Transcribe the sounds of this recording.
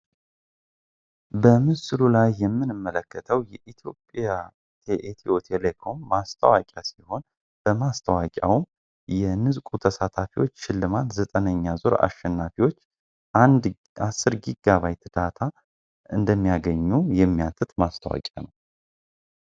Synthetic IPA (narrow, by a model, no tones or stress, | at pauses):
bəmɨsɨlulajːɛmːɨnɨmːələkːət̪ʰəwjɛʔit̪ʰjo̞pʼja | t̪ʰeʔet̪ʰiot̪ʰelekʰo̞mːast̪ʰəwakʲʼasiho̞n | b̥əmast̪ʰəwakʼa̰wm | jɛnɨzkʼut̪ʰəsat̪ʰafiwo̞t͡ʃːʃɪlːɨmat̪zət̪ʼənəɲːazoɾa̰ʃɛnːafiwo̞t͡ʃː | ʔand̪ | asːɨɾɡiɡːaβajt̪ʰɨd̪̥at̪ʰa | ʔɨnd̪əmːijaɡəɲːujɛmːijat̪ʰɨt̪mast̪ʰəwa̰kʼa̰nəw